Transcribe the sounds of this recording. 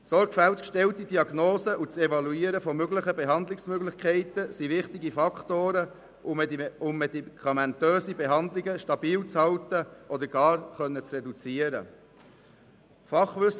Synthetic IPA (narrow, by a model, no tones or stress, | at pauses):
sɔɾɡ̥fælt̪kʃtɛlt̪idiɑɡnoːsəʔut͡sɛvɑluiəɾəfɔmøɡləχəbɛɦɑnd̪lɪksmøɡlɪχkʰɛɪt̪əsiʋɪχtiɡifɑkʰt̪oːɾə | ʊmːɛd̪ikʰɑmɛnt̪øːsibeɦɑnd̪lɪɡəʃtɑbiːlt͡shɑwt̪əʔɔd̪əɾɡ̥ɑːɾχœnːət͡srɛd̪ut͡siəɾə̰ | fɑχʋʏs